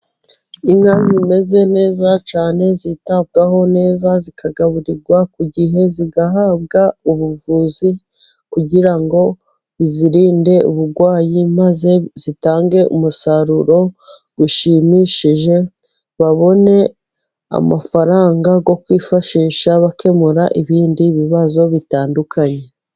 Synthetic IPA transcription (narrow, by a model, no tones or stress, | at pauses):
iŋazime̞ze̞ne̞ːzat͡ʃaːne̞zitab̚ɡaɦo̞ne̞ːzazikʰaɡaβuɾiɾɡwakuɟiɦe̞ziɡaɦaːb̚ɡauβuvuːzi | kuɟiɾaŋɡo̞ | iziɾiːnde̞uβuɾɡwaːjimaze̞zitaːŋɡe̞ʔṵmusaɾuɾo̞ | ɡ̥uʃimiʃiʒe̞ | βaβo̞ne̞ | a̰mafaɾaːŋɡaɡo̞kwiːfaʃiːʃaβake̞muɾaʔiβiːndiβiβazo̞βitaːndukʰaɲe̞